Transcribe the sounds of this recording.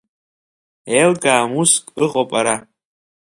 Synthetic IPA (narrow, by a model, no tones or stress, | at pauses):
elkʼaːmuskʼɨqʼopʼaɾa